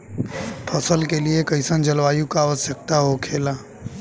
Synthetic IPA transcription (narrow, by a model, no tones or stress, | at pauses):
pʰəsəlkeliekəɪsə̃nd͡ʒəlʋaːjũkaːəsjək̚t̪aɦokʰeːlaː